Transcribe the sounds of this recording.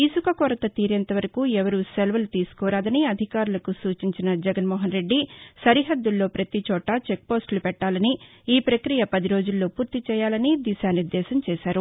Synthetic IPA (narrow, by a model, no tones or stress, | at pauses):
isukɐkɔːɾɐt̪ɐt̪iːɾɛnt̪ɐʋɐɾɐkuːɛʋɐɾuselʋɐlt̪iːsu̥kɔːɾaːd̪ɐniɐd̪ʱikaːɾulɐkusuːt͡ʃiɲt͡ʃinɐd͡ʒɛɡɐnmɔːɦɐnɾe̞ɖːisɐɾiɦɐd̪ːulːo̞ːpɾɐt̪it͡ʃɔːʈɐt͡ʃek̚po̞ːsʈlupɛʈːaːlɐni | iːpɾɐkɾijɐpɐd̪iɾo̞ːd͡ʒulːo̞ːpuːɾt̪it͡ʃɛːjaːlɐnid̪iʃaːniɾd̪ɛːʃɐmt͡ʃɛːʃaːɾu